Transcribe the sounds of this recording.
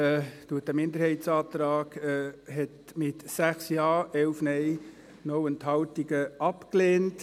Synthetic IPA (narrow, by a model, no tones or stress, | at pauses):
ɛːd̥uət̚əmɪndəɾhɛɪtsɑːt̪ɾɑːɡ̥ɛɦɛt | mɪtsæχsjɑːɛwfnɛj | nɔwənthɑtiɡəɑpkleːnt